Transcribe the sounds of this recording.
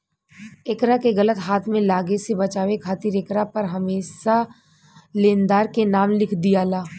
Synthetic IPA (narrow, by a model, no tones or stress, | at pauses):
ekɾakeɣɐlət̪ɦaːt̪ʰmẽlaːɡesebɐt͡ʃaːʋekʰaːt̪ɪɾekɾapɐɾɦɐmeːʃa | lẽːnd̪aːɾkenaːmlɪkʰd̪ijaːlaː